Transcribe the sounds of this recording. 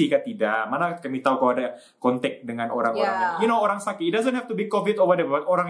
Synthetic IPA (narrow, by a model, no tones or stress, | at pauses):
ikat̪idaʔmanakamit̪aukalada | kɔnt̪ɛk̚dəŋanoɾaŋoɾaŋjunooɾaŋsakɪt̪idazə̃nhɛft̪ubikovɪt̪ovədɛvat̪oɾaŋ